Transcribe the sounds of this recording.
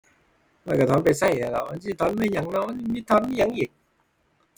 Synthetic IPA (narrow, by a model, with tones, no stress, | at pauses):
ma˧˩kaː˧˩ɔː˨˦npa˧jsa˧˩ja˨˧˩lɔ̰˨˧˩ma˧˥nsiː˧˩t̪ʰɔː˧˦˥nmaː˧˨jɲa˨˧˩ŋnɔ˧˥ma˧ni˧˩miː˧˥t̪ʰɔ˧˦˥nmi˧˨ɲa˧˦ŋʔiː˨˩k̚